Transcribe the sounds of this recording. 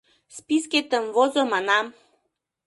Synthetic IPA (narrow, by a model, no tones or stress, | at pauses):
spisket̪əmvozomɑnɑm